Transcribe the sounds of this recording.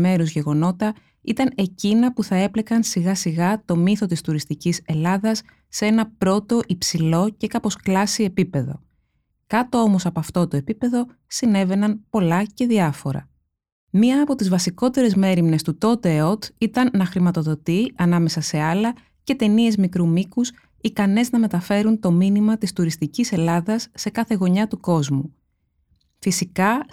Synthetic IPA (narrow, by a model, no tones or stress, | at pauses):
me̞ɾuzʝe̞ɣo̞no̞t̪ɐ | it̪ɐne̞cinɐpuθɐe̞ple̞kɐnsiɣɐsiɣɐt̪o̞miθo̞t̪ist̪uɾist̪icise̞lɐðɐsː | ee̞nɐpɾo̞t̪o̞ʔipsilo̞ce̞kɐpo̞sklɐsie̞pipe̞ðo̞̰ | kɐt̪o̞o̞mo̞sɐpoɐft̪o̞t̪o̞e̞pipe̞ðo̞ | sine̞ve̞nɐnpo̞lɐce̞ðiɐfo̞ɾɐ̰ | mɲiɐːpo̞t̪izvɐsiko̞t̪e̞ɾe̞zme̞ɾimne̞st̪ut̪o̞t̪e̞o̞t̪it̪ɐnːɐxɾimɐt̪o̞ðo̞t̪iɐnɐme̞sɐse̞ɐlɐ | ce̞t̪e̞nie̞zmikɾumikus | ikɐneznɐme̞t̪ɐfe̞ɾunt̪o̞minimɐt̪ist̪uɾist̪icise̞lɐðɐsːe̞kɐθe̞ɣo̞ɲɐt̪uko̞zmu | fisikɐ